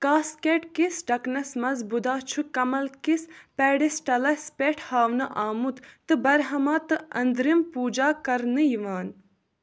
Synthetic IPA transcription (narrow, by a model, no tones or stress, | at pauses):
kaːskeːʈkisɖɐknɐsmɐzbud̪aːt͡ʃʰukɐmɐlkispeːɖisʈɐlɐspeːʈʰhaːʋnɨʔaːmut̪t̪ɨbɐɾɦɐmaːt̪ɨɐnd̪ɾimpuːd͡ʒaːkɐɾnɨjiʋaːn